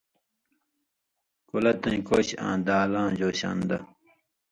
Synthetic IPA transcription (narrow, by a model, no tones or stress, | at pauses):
kulɐt̪ɐ̃nkoːɕã̰ːd̪aːlãːʑoːɕa̰nd̪ɐ